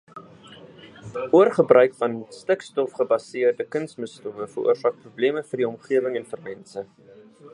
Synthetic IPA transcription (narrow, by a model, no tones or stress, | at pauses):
uərχəbrʔœɥkfɐnstəkstɔfχəbɐsiərdəkənsməstuvəfərʔṵərsɑːk̚prubliəməfərdiɔmχiəvəŋɛnfərmɛnsə